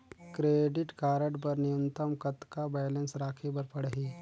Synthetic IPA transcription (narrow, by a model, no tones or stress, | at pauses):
kɾeːɖɪʈkaːɾəʈpɐɾnɪjunt̪əmkɐt̪kabɛːjlə̃nsɾaːkʰebəɾpɐɽɦiː